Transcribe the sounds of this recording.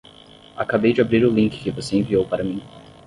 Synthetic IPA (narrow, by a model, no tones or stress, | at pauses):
akabejd͡ʒɪabɾiɾʊlĩkɪ̥kɪvoseẽviowpaɾɐmĩ